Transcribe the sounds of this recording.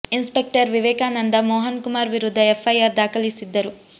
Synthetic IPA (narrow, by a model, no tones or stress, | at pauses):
inspek̚ʈɐɾʋiʋɛːkaːnɐnd̪ɐmɔːɦɐnkumaːɾʋiɾud̪ʱːɐefːɐjaːɾd̪aːkʰɐlisid̪ːɐɾu